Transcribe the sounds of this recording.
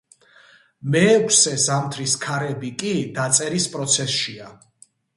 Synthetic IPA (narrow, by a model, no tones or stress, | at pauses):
mɛːkʷʰsɛzamt̪ʰɾiskʰaɾɛbikʼid̪at̪sʼɛɾispʼɾɔt̪sʰɛsʃia